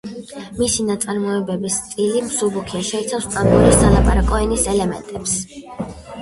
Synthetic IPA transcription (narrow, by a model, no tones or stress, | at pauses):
misinat̪sʼaɾmɔɛbɛbist̪sʼilimsubukʰiaʃɛit̪sʰafst̪ʼampʼuɾissalˠapʼaɾakʼɔɛnisɛlɛmɛ̰nt̪ʼɛps